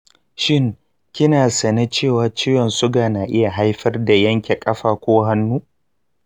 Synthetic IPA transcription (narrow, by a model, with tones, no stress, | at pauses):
ʃɪ˦˨ŋ | kʲɪ˦naː˨sɐ˨ne˦t͡ʃeː˦˨waː˨t͡ʃɪ˦jɔ˨nsʊ˦ɡaː˨naː˨ʔɪ˦ja˨ɦa˦jɸɐ˦rda˨jɐ˦ŋkʲe˨kʼɐ˦ɸaː˨kʷoː˦ɦa˦nːuː˦